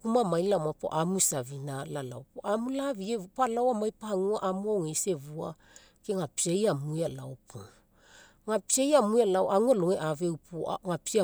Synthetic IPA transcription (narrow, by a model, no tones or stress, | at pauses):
kumamajnlamapo̰ʔamusavinalala̰wpuʔamulaviepalawamajpaaŋuaʔamuawŋese̞vua̰ | keŋapiejamujala̰opʰo | ŋapiejamujalawʔaŋualoŋeʔavewpʰṵŋapiia